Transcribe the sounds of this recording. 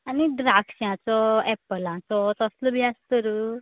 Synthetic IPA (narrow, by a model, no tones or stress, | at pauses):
aniɖɾaksjãt͡sɔɛpəlãt͡sɔt̪əslɔbʱiast̪əɾu